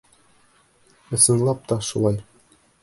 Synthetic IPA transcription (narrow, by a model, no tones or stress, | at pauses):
ɤ̆sɤ̆nlˠɑp̚t̪ɒʃṵlˠɑj